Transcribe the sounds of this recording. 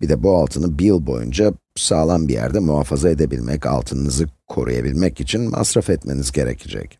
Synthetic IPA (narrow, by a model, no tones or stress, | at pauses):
bid̪ɛbualˠt̪ʰɯnɯbijɯlˠbo̞̰jṵnd͡ʒa | saːlˠanbijæ̰ɾd̪ɛmuɦaːfazae̞d̪e̞bilʲmɛ̰ca̰lˠt̪ʰɯnɯnɯzɯkʰo̞̰ɾṵja̰bilʲmɛcit͡ʃʰinma̰sɾafɛt̪me̞nizɟe̞ɾecʰid͡ʒɛ̰c